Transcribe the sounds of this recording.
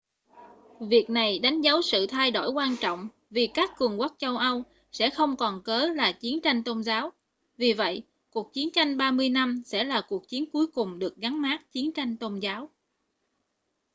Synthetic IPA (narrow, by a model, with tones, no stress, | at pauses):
vi˨˩ək̚na˨˩jɗa˨˦jŋ̟zə˨˦wsɨ̰˧˨t̪ʰa˧jɗo̰˧˩jkwaː˧nt͡ɕɔ̰˧˨wŋ͡m | vi˨˩kaː˦˥kːɨ˨˩əŋkwə˦˥k̚t͡ɕə˧wʔə˧w | sɛ̰˧˥xə˧wŋ͡mkɔ˨˩nkəː˨˦laː˨˩t͡ɕi˨˦ənt͡ɕa˧jŋ̟t̪o˧nzaː˨˦w | vi˨˩və̰˧˨j | ku˨˩ək̚t͡ɕi˨˦ənt͡ɕa˧jŋ̟ɓaː˧mɨ˧əjna˧msɛ̰˧˥laː˨˩ku˨˩ək̚t͡ɕi˨˦ənku˨˦jkʊ˨˩ŋ͡mɗɨ˨˩ək̚ɣa˨˦nmaː˦˥k̚t͡ɕi˨˦ənt͡ɕa˧jŋ̟t̪o˧nzaː˨˦w